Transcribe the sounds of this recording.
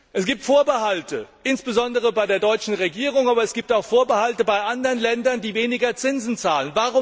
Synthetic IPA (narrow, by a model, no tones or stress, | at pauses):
ʔɛsɡ̥iːp̚tfoːɐbəhaltəʔɪnsb̥əzɔndəʁ̞əbaɪdeːɐdɔʏt͡ʃn̩ʁeɡiːʁʊŋaːbɐɛsɡ̥iːp̚taʊxfoːɐbəhaltəbaɪʔandəʁənlɛndɐndiːveːnɪɡɐt͡sɪnzn̩t͡saːlənvaːʁʊ